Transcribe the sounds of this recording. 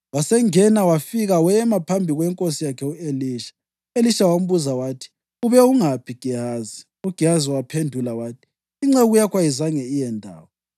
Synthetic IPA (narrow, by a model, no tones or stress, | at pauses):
wasɛŋɛnawafiɣawɛmapʰambʱiɣwɛŋkʼosijakʰɛueliʃḁ | eliʃawam̩βuzawaːtʰi̥ | uβɛuŋapʰiɡ̥ʱiaːzi | uɡ̥ʱiaziwapʰendʱulawaːtʰi̥ | iŋ͡ǁɛɣujakʰwajizaŋɛijɛndʱa̰ːwɔ